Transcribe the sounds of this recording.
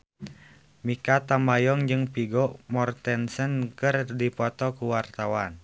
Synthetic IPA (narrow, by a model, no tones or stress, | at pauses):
mikat̪ambajɔŋd͡ʒɨŋpiɡɔmɔrt̪ɛnsənkɨrdipɔt̪ɔkuwart̪awan